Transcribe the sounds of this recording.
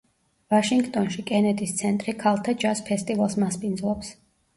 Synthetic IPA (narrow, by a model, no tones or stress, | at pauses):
vaʃiŋɡt̪ʼɔnʃikʼɛnɛd̪ʼist̪sʰɛnt̪ʼɾikʰalˠt̪ʰad͡ʒaspʰɛst̪ʼivalˠsmaspʼind̪zlˠɔps